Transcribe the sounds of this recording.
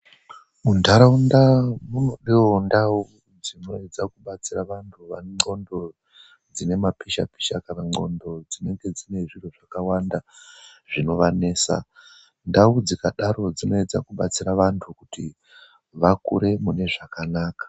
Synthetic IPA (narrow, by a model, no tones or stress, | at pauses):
muntʰaɾaundamuno̞ɗiwondau | d͡zino̞ed͡zakuɓat͡siraʋantʰuʋa̰ŋ͡ǃo̞ndo̞ | d͡zine̞mapiʃa̰pi̥ʃakanaŋ͡ǃo̞̰ndo̞d͡zine̞ŋɡe̞d͡zine̞ʐiroʐakawandaʐ̥ino̞ʋane̞ːsa̰ | ndaud͡zikaɗaɾo̞d͡zino̞ed͡za̰kuɓat͡siɾaʋantʰukuti | ʋakṵɾe̞mune̞ʐakanaːkḁ